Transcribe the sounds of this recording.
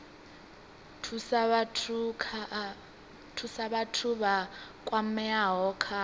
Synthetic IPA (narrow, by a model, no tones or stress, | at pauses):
tʰustʰ | tʰusaβatʰuβa | kʼwam̩mɛaɦɔːkʰa